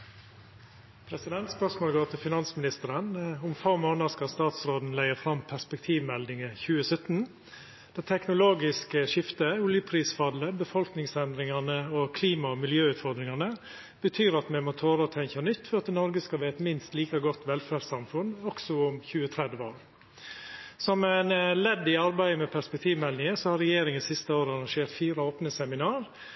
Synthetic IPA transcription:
pʰɾɛsɪd̪ɛnt̪spœʂmoːlɡoːt̪ʰɪlfɪnɑnsmɪnɪst̪əɾənʊmfɔmoːnədskɑst̪ɑːt̪sɾoːd̪n̩læɪəfɾɑmpʰæspɛk̚t̪ʰiːʋmɛld̪ɪŋəçʉːəsœt̪ːn̩ | d̪̥ɛːt̪ʰɛknʊloːɡɪskəʂɪft̪əuːljəpʰɾiːsfɑd̪ləbəfɔlknɪŋsɛnd̪ɾɪŋɑnəoːkʰliːmɑɔmɪljøːʉːt̪fɔɾd̪ɾɪŋɑnə | b̥ət̪ʰyːɾɑt̪mɛɪmoːt̪ʰoːɾət̪ʰɛŋçɑnʏt̪ːfɔɾɑt̪nɔɾɡəskɑʋæːɛt̪mɪnst̪liːkɑɡɔt̪ːʋɛlfæːɾsɑmfʉnɔksɔʊmçʉːət̪ʰɾɛd̪ʋəo̰ːɾ | sɔmɛnlɛd̪ːɪɑɾbæɪəmɛpʰæɾspɛk̚t̪ʰiːʋmɛlnɪŋəsɔhɑɾɛjeːɾɪŋənsɪst̪əoːɾəɑɾɑŋʂeːɾt̪fiːɾəoːpnəsɛmɪnɑːɾ

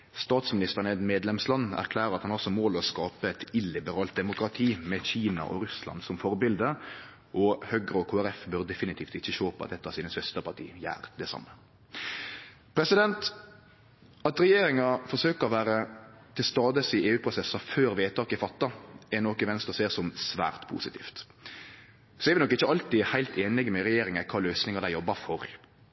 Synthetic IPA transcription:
st̪ɑːt̪smɪnɪst̪əʁnɛd̪meːd̪lɛmslɑnːæ̰ʁkʰlæːɾəɾɑt̪hɑnɑɔlsɔmoːlɔskɑːpəɛt̪ɪlɪbəɾɑːlt̪̚d̪ɛmʊkɾɑt̪ʰiːmɛɕiːnɑ̰ʔɔ̰ɾʉslɑ̰nsɔmfɔʁbɪld̪ə | ʔɔhœɡʁəɔkʰoːæɾɛfbøʁd̪ɛfɪnɪt̪ʰiːft̪ɪçːəçoːpɑ̰t̪d̪ɛt̪ːəɑsiːnəsʋɛst̪əpʰɑt̪ʰḭːjæ̰ːɾd̪ɛsɑ̰mːə | pʰɾɛsɪd̪ɛnt̪ | ɑt̪ɾɛjeːɾɪŋɑfɔʁʂøːkəɔʋæːɾət̪ʰɪlst̪ɑːd̪əsieːʉːpʰɾʊsɛsɑføːɾʋeːt̪ʰɑːkɪfɑt̪ːɑɛnɔkːɪʋɛnst̪əɾseːʁsɔmsʋæ̰ːʁt̪pʰṵːsɪt̪ʰḭːft̪ | sɔɛɾʋɪnɔkːɪçːəɑlt̪ɪhæɪlt̪ʰeːnlɪɡəmɛɾɛjeːɾɪŋɛkʰɑːløːsnɪŋɑɾd̪æɪjɔbːɑfɔɾ

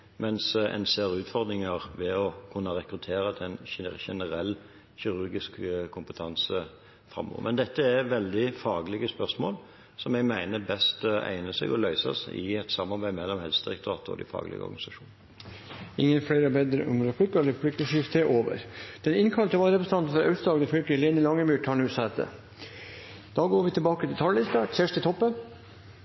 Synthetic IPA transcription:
mɛnsɛ̰nseːʁʉːt̪fɔʁd̪ɾɪŋəʁʋɛɔkʰʉnːəɾɛkɾʉt̪ʰeːɾəd̪ɛnçɛnəɾɛlː | çɪɾʉɾɡɪskkʰːʊmpət̪ʰɑnsə | fɾʁɑ̰mːo̰ːʋəmɛnd̪ɛt̪ːəæʁʋɛld̪ɪfɑːɡəlɪɡəspœʁsmoːl | sɔmɛɡmæɪnəbɛst̪æ̰ɪnəsɛ̰ɡɔlœʏsɑ̰sɪ̰ɛt̪sɑmːɑɾbæɪmɛlːɔmhɛlsd̪ɾɪkt̪ʊɑːt̪əɔ̰d̪ɪ̰fɑ̰ːɡlɪ̰ɡəɔ̰ɾɡnɪsɑʃuːn | ɪŋːənfɽeːɾəɔbeːd̪ɾəʔʊmlɑflʏkːəɾɛləfɽʏkːəʂɪft̪ʰəʔoːʋə̰ɾd̪̥ɛnɪnkʰɑlt̪əʋɑːlɾɛpɾəsənʰɑnt̪n̩fɔɾœʉsd̪ɑːɡd̪əfœlkleːnəlɑŋːəmyːʈ̪ʰɑːlʉːsɑɛt̪ːə̰ | d̪̥ɑːɡoːɾʋɪt̪ʰɪbɑːkət̪ʰɪlt̪ʰɑllɪst̪ɑsæʂt̪ət̪ʰɔpːə

